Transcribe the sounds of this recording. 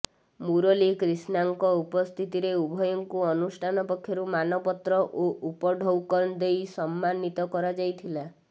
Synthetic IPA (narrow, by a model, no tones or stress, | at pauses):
muɾolikɾisnaŋkɔupɔst̪ʰit̪iɾeubʱɔjɔŋkuɔnusʈʰanɔpɔkʰːjɔɾumanɔpɔt̪ɾɔʔoʔupɔɖʱɔwkɔɾnd̪ejsɔmːanːit̪ɔkɔɾad͡ʒajt̪ʰila